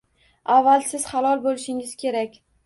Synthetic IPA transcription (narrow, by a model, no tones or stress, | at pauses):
avːalsɪz̥χalˠɒlˠbolɪʃɪŋɪz̥kʲe̞ɾakʲ